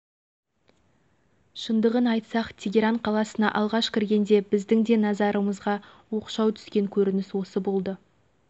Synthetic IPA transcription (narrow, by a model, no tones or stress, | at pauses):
ʃənd̪əʁənɑjt̪sɑqt̪ʲʰeɡʲeɾaɴqʰɑlˠɑsənɑ̰ʔɑlˠʁɑʃkʲʰɪɾɡʲe̞nd̪e̞bɪzd̪ɪŋd̪e̞nɑzɑɾəməzʁɑ | wo̞qʃɑwt̪ʰʏ̥skʲe̞ŋkʲʰɵɾɪnɪswo̞səbo̞lˠd̪ə